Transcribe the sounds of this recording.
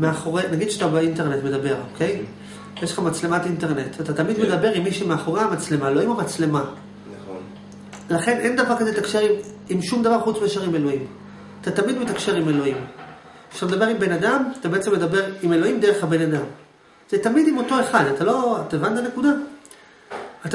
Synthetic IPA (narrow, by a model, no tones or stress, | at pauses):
meaχo̞ʁenaɡid̥̪ʃatabeinte̞ʁne̞tme̞dabe̞ʁo̞kʰe̞j | jeʃleχamat͡slematinte̞ʁne̞t̪atat̪amid̪me̞dabe̞ʁimːiʃumeaχo̞ʁeamat͡sle̞maelo̞imomat͡sle̞ma | nn | laχe̞nʔend̪avaʁkazelet̪akʃeʁim | imʃumd̪avaʁχut͡smejeʃaʁime̞lo̞im | at̪atamid̪metakʃe̞ʁime̞lo̞im | at̪ame̞d̪abe̞ʁimbe̞nadamat̪abe̞et͡semːe̞dabe̞ʁime̞lo̞imdeʁe̞χhabe̞nadam | z̥etamidimo̞to̞e̞χadatalo̞at̪aevant̪ane̞kuda | ata